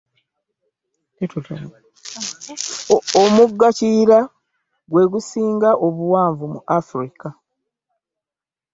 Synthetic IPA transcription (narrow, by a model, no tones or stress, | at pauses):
omuɡːaciːɾa | ɡwe̞ːɡusiːŋɡaʔo̞βuwaːɱvumuʔafuɾika